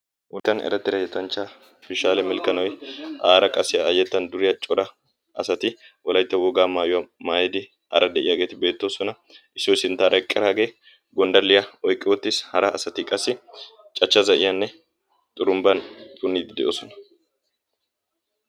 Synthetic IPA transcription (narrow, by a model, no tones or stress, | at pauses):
ʔʊt̪ːɐnɛ̰ɾɐt̪ːɪɾɐjɛt̪ɐnt͡ʃːa | fɪʃaːlɛmɪlkɐnɔwjʔaːɾɐkʼɐsɪjaːjɛt̪ːɐnd̪ʊɾɪjɐt͡ʃʼɔɾɐ | ʔɐsɐt̪ɪ | wɔlɐjt̪ːɛwɔɡaːmaːjʊwɐmaːjɛd̪ɪ | hɐ̰ɾʔɐd̪ɛʔɪjaɡe̞ːt̪ɪbe̞ːt̪ːoːsɔnɐ | ʔɪsːɔɪsɪnt̪ːaːɾʔɐkʼːɪɾaːɡeː | ɡɔnd̪ɐlːɪjɐɔjkʼːɪwɔt̪ːɪshɐɾɐɐsɐt̪ɪkʼɐsːɪ | t͡ʃʼɐt͡ʃːɐzɐʔɪjɐnːɛ | t̪ʼʊɾʊmbɐnt̪ʼʊnːiːd̪ɪd̪ɛʔoːsɔnɐ̥